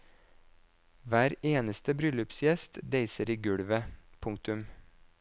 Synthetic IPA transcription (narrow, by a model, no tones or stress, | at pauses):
ʋæːɾeːnəst̪əbɾʏlʉpsjɛst̪d̪eɪsəɾiːɡʉɽʋəpʰʊŋ̚t̪ʉm